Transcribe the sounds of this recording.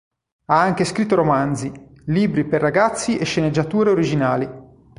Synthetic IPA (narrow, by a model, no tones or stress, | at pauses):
aaŋk̟eskɾit̪ːoɾomand̪zi | liːbɾiperːaɡat̪sːiʔeʃːened͡ʒːat̪uːɾeoɾid͡ʒinaːli